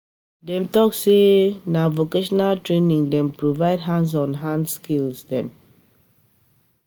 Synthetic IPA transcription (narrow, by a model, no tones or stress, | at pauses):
dɛ̃mtɔksenavokeʃɔnaltɹenĩŋdɛ̃mpɹovaɪdɦãns̬ɔ̃nɦãnskilsdɛ̃m